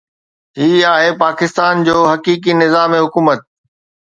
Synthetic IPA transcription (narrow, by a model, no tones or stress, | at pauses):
ɦiːaːɦepaːkɪst̪aːnd͡ʑoːɦɐkiːk̬inɪzaːmeɦʊkuːmət̪̚